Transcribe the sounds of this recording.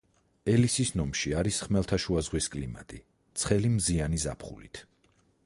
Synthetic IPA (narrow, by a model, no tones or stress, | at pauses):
ɛlisisnɔmʃiaɾisχmɛlˠt̪ʰaʃuazʁwiskʼlima̰t̪ʼi | t̪sʰχɛlimzianiza̰pʰχṵlḭt̪ʰ